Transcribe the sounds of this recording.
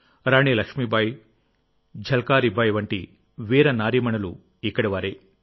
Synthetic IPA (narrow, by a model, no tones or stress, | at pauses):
ɾaːɳiːlɐkʂmibʱɐj | d͡ʒʱɐlkaːɾibʱɐjʋɐɳʈi | ʋiːɾɐnaːɾimɐɳɐlu | ikːɐɽiʋaːɾe